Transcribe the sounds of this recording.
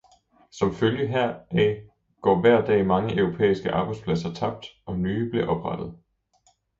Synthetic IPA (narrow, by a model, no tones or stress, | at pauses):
sɒ̽mføljəɦæɐ̰ʔɛ | ɡ̥ɒ̰ːʋæɐ̰d̥ɛ̰ːmɑ̈ŋəʔœʊʁo̝pʰḛːisɡ̥əʔɑ̈ːb̥ɑ̈ɪd̥spʰlæsɐt͡sʰɑ̈b̥̚d̥ɒ̽nyːb̥liɐʔɒ̽b̥ʁɑd̥ð̞̩ˠ